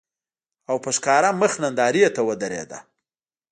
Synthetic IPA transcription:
awpəʃkɑɾaməxnand̪ɑɾijet̪awəd̪əɾḛd̪a̰

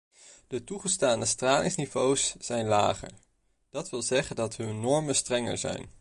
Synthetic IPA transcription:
d̥ətuχəstaːndəstraːlɪŋsnivowsːɛjnla̰ːχə̰ɹ | d̥ɑtʋɪlˠzɛχəndɑtɦɵnːɔɹmənstrɛŋə̰ɹzɛ̰jn

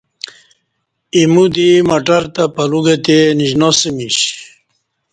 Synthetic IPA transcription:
imud̪imɐʈaɾt̪apɐluɡet̪eniʑnosimiɕ

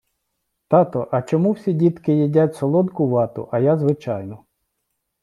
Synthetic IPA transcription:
t̪ɑt̪ɔʔɐt͡ʃɔmuwsʲidʲit̪kɪjidʲatʲsɔlˠɔd̪kʊʋɑt̪ʊ̰ʔɐjazʋɪt͡ʃɑjnɔ

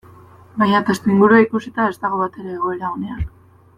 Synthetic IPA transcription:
bajɲat̪e̞st̪eiŋɡuɾuaikusit̪ae̞zt̪aɣ̞o̞βat̪e̞ɾeːɣ̞o̞e̞ɾao̞ne̞an

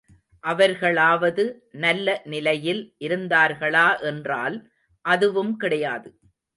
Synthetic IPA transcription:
ʔɐʋɐɾɣɐɭaːʋɐðɯ | nɐlːɐnɪlɐjɪlʔɪɾɯnd̪aːɾɣɐɭaːʔɛndra̰ːl | ʔɐðɯʋɯmkɪɽɐjaːðɯ

